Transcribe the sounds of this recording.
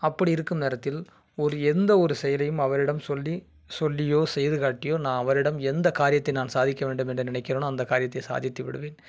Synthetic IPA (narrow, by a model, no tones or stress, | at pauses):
ɐpːɐɽiɪɾɯkːɯmneːɾɐt̪ːɪl | ɔɾɯɛnd̪ɐɔɾɯsɛjɐlɐjɯmɐʋɐɾɪɽɐmsɔlːi | sɔlːɪjoːsɛjɐðɯɣaːʈːɪjoːnaːnɐʋɐɾɪɽɐmɛnd̪ɐkaːɾɪjɐt̪ːɐɪnaːnsaːðɪkʲːɐʋeːɳɖɯmɛnɳdrɯnɪnɐɪkːɪroːnoɐnd̪ɐkːaːɾɪjɐt̪ːɐɪsa̰ːðjɐt̪ːiʋɪ̰ɽɯʋeːn